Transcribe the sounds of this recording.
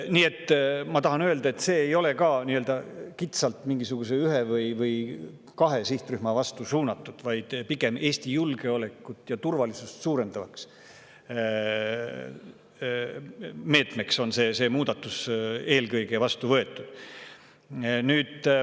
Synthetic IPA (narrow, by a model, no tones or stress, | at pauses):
niːe̞t̪ːmɑt̪ɑɦɑnøe̞ld̪ɑe̞t̪ːse̞ːjo̞le̞kɑːniøld̪ɑkit̪sɑlt̪miŋɡisuɡ̥us̬e̞yɦevɤjvɤj | kɑɦe̞siht̪ryhmɑvɑst̪usuːnɑt̪ːˑud̪̥vɑjd̪̥piɡe̞me̞ːsʲt̪ijulɡ̥e̞o̞le̞kːˑut̪ːˑjɑt̪urvɑlisust̪suːɾe̞nd̪ɑvɑks | me̞ːt̪me̞kso̞nse̞ːse̞ːmuːd̪̥ɑt̪ːˑuse̞ːlkɤjɡ̥e̞vɑst̪uvɤe̞t̪ːˑud̪̥ | nyːd̪̥